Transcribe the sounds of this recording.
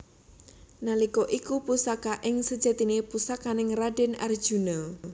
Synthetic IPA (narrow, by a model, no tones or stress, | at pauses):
nalikɔʔikupusakaʔɪŋsəd̥d͡ʒ̥a̤t̪inepusakanɪŋraɖɪna̰r̥ʒ̥unəl